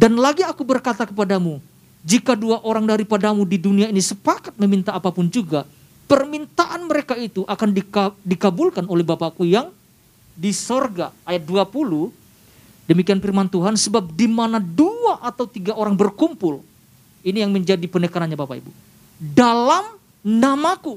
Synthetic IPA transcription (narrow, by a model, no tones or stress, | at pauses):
danlaɡiakubərkat̪akəp̬adamu | d͡ʒikaduaʔoɾaŋdaɾipadamudiduniainisəpakat̪̚məmint̪aːpapʊnd͡ʒuɡa | pərmint̪aʔanməɾekait̪uʔakandikadikabulkanolɛhbapakujaŋ | disorɡaajat̪̚duapulu | dəmikianfirmant̪uɦansəbap̚dimanaduaʔat̪awt̪iɡaʔoɾaŋbərkumpʊl | inijaŋməɲd͡ʒadipənəkananɲabapaḭbu | dalam | namaku